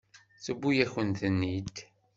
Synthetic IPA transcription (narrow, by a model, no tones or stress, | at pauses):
θəbːujæçənt̪ənːid̪